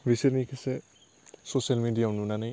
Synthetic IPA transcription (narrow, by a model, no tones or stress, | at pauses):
bisiɾnikʰɛsɛ | sosalmidijanunanaj